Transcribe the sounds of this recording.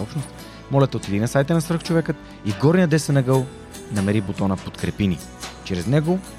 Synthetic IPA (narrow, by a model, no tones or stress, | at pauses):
ɔpʃnost̪ | mɔlʲɛt̪ɛot̪ɛd̪inəsajt̪ənɐsvɾ̩xt͡ʃovɛkət̪ | iɡɔɾnijəd̪ɛsənɐɡəlˠ | nɐmɛɾibot̪ɔnəpot̪kɾɛpini | t͡ʃɾɛznɛɡo